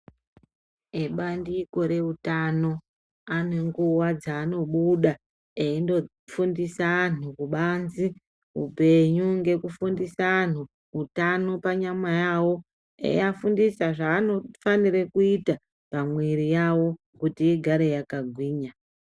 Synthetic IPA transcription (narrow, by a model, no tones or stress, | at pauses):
eɓandiko̞ɾe̞utano̞ | ane̞ŋɡuwad͡zaːno̞ɓuɗa | eindo̞ | fundisaanukuɓanzi | ṵpe̞ɲuŋɡe̞kufundisaːn̤u | utano̞paɲamajawo̞ | ḛafundisaʐaːno̞faniɾekuita | pamwiɾijawo̞ | kutiːɡʱaɾe̞jakaɡʱwiːɲa